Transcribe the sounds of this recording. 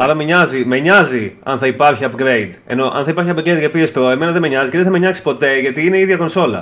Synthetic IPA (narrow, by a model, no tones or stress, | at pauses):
ɐlɐmeɲɐzimeɲɐziɐ̰nθɐipɐɾçiɐpɡɾeid̪e̞̰no̞ʔɐ̰nθɐipɐɾçiɐpɡɾejd̪ʝɐopiespɾoe̞me̞nɐðemeɲɐziceðeθɐmeɲɐksi̥po̞t̪e̞ʝɐt̪iineiðʝɐko̞nso̞lɐ̰